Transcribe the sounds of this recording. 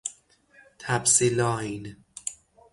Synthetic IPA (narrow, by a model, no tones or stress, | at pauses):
t̪ʰæbsilɒːin